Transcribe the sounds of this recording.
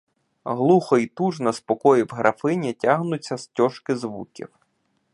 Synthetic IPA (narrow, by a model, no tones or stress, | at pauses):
ɦlˠuxɔit̪uʒnɐspɔkɔjiwɦɾʔɐfɪnʲitʲaɦnʊt͡sʲːɐstʲɔʃkɪzʋukʲḭw